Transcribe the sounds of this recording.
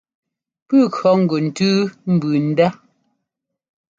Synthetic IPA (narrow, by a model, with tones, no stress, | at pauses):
pʉ˦˨kɰɔ˨˦ŋ̩˨ɡo˨n̩˨tʉː˦m̩˨bʉː˨n̩˦da˦